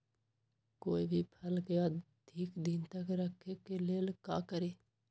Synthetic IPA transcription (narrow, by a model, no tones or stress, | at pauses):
koːibʱipʰəlkeə | d̪ʱiːkd̪ɪnt̪əkɾəkʰːekeleːlka̰ːkəɾeː